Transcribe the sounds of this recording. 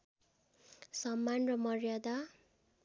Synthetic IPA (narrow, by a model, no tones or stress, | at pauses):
sʌmːanrʌmʌrjad̪a